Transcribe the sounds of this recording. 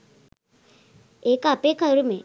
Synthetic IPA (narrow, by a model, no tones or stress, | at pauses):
eːkapekʰaɾume